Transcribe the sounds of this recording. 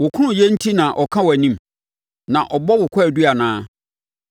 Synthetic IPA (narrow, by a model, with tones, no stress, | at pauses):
wʊ˨kʰʊ̃˦ɾʊ̃˨jɛ˦n̩˦tʰi˦nã˨ʔɔ˨kʰã˦wɔ˨æ˨nĩ˦m˨ | nã˨ʔɔ˨bɔ˦wʊ˨kʷʰa˦˨du˦a˨nãː˦